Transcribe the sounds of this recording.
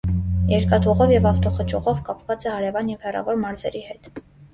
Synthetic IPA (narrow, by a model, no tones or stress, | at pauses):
jɛɾkɑt̪ʰuʁɔvjɛvɑft̪ɔχət͡ʃʰɔʁɔvkɑpvɑt͡sɛhɑɾɛvɑnjɛvhɛrɑ̰vɔɾmɑɾzɛɾihɛt̪